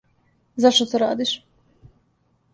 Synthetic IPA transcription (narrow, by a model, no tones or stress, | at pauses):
zaʃt̪ot̪oɾa̰ːd̪iʃ